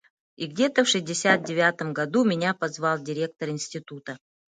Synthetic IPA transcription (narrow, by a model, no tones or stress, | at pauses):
iɡdʲe̞t̪əfʂɨzʲdʲɪsʲat̪̚dʲɪvʲat̪əmɡɐd̪umʲɪnʲapɐzvɑlˠdʲɪɾʲe̞k̚t̪əɾɪnsʲtʲɪt̪ut̪ə